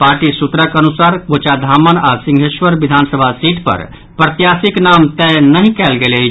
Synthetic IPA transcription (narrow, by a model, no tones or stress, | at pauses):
paːɾʈisut̪ɾəkənusaɾkot͡ʃad̪ʱaːmənasĩŋɡʱeʃwəɾʋid̪ʱansəbʱasiʈpə̰ɾ | pɾət̪jasiknamt̪ɛnəɦĩkɛːlɡele